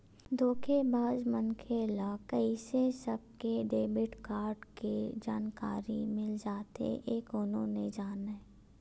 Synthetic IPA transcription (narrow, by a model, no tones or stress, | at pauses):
d̪ʱoːkʰebaːd͡ʒmənkʰelakəisesəb̚keɖeːbɪʈkaːɾɖked͡ʒaːnkaːɾḭmɪld͡ʒaːt̪ḛʔeːkʊnõned͡ʒaːnɛ